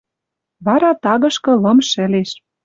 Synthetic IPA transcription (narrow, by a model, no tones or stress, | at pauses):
βɑɾɑt̪ɑɣɤ̆ʃkɤ̆lɤ̆mʃɘ̆leʃ